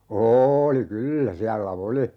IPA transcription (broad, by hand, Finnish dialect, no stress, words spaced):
oːoli kylːæ siælːæ oli